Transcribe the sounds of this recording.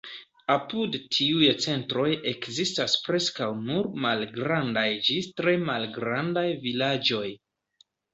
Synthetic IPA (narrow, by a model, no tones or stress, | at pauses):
apudtʰiujt͡se̞ntɾo̞je̞kzistaspɾe̞skawnuɾmalɡɾandajd͡ʒistɾe̞malɡɾandajvilad͡ʒo̞j